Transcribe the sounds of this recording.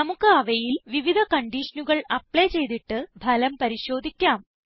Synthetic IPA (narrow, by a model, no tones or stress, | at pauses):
ɐmukːɨɐʋɐjilʋiʋid̪ʱɐkɐɳɖiːʂɐnuɣɐɭɐpɭeːt͡ɕe̞jt̪iʈːɨbʱɐlɐmpɐɾiɕo̞ːd̪ʱikʲːaːm